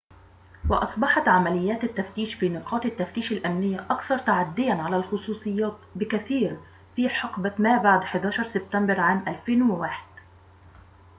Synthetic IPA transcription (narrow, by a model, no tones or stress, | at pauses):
wɑʔɑsˤbɑħɑt̪ʕamalɪjːaːt̪at̪ːaft̪iːʃfiːnɪqʰɑːt̪at̪ːaft̪iːʃalʔamnɪjːaʔɑkθɑɾˤt̪aʕad̪ːɪjanʕalalxʊsˤuːsˤɨjːɑːt̪bɪkaθiːɾ | fiːħɑqbamaːbaʕd̪ħɪd̪aːʃɑɾˤsɪb̚t̪ambɑɾˤʕaːmʔalfeːnwɪwaːħɪ̥d̪̥